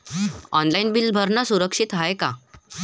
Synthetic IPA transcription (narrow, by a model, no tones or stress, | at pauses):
ɔnlainbilbʱəɾnasuɾəkʂit̪ɦajka